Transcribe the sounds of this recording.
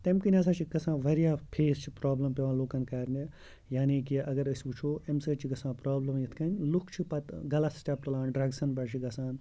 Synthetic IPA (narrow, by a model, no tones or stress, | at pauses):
t̪ɐmkinʲɐs̬aːt͡ʃʰikːɐsãːʋɐɾijaːpʰeːst͡ʃʰipɾaːblɐmpeʋãːloːkɐnkɐːɾne | jaːniːkiɐɡɐɾɐsʲbut͡ʃʰoːemsɐt͡ʃʰiɡɐsãːpɾaːblɐmjɐt̪ʰkɐnʲlukʰt͡ʃʰipɐt̪ɡɐlɐsʈʲɐp̚ʈɐlãːnɖɾɐɡsɐnpɐɾt͡ʃʰiɡɐsaːn